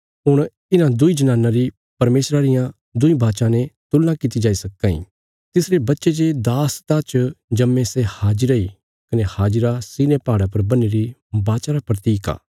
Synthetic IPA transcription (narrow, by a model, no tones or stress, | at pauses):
ɦʊɽ̃ | ɪnãd̪ʊid͡ʒɐnaːnːãɾi | pɐɾmeːsɾaɾɪjã | d̪ʊĩbʱaːʃãnet̪ʊlːãkɪt̪id͡ʒaːisɐkːãḭ̃ | t̪ɪsɾebɐtːʃed͡ʒed̪aːst̪ãːt͡ʃd͡ʒɐmːẽsehaːd͡ʒɪɾai | kɐnehaːd͡ʒɪɾasiːnepaːɽapɐɾbɐnːeɾibaːʃaɾapɾɐt̪iːka̰ː